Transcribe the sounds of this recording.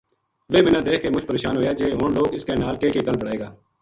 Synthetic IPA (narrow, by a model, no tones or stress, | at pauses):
ʋeːbɪnãːd̪eːkʰkeːmʊd͡ʒpəɾeːʃaːnɦoːjaːd͡ʒeːɦoːnloːɡɪskeːnaːlkeːkeːkəlbəɽaːeːɡaː